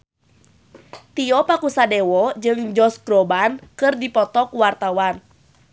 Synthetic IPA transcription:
t̪iɔpakusadɛwɔd͡ʒɨŋd͡ʒɔsɡɾɔbankɨrdipɔt̪ɔkuwart̪awan

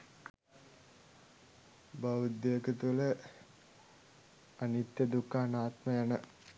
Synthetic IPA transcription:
bɐʋud̪jeːkət̪ulə | ɐnit̪jɐd̪ukːaːnaːt̪mɐjanə

